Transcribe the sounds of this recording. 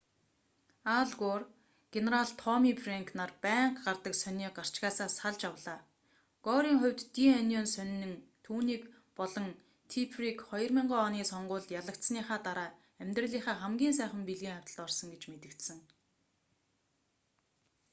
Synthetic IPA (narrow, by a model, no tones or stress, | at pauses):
aɮɡoːr | ɡ̥eneɾaɮt̪ʰɔmiːpʰreŋkʰnarpæːɴqɢart̪ə̆ksœnʲiːqɢar̥t͡ɕɣaːsaːsaɮt͡ɕawɮaː | ɡ̥ɔːɾiːŋχʊ̟wʲt̪ːianʲɔːnsœnʲːɘ̆ŋt̪ʰuːniːk | pɔɮɞ̆ŋ | t̪ʰipʰrikχɔjɞ̆rmʲiɴɢɔːniːsɔɴɢʊːɮt̪jaɮə̆kt̪sniːχaːt̪aɾaː | æmʲt̪rə̆ɮiːχaːχæmɡʲiːns̬æːχə̆mpiɮɣiːŋawʲt̪ə̆ɮɔrsɞ̆ŋɡet͡ɕmet̪ɘ̆kt̪sɘ̆ŋ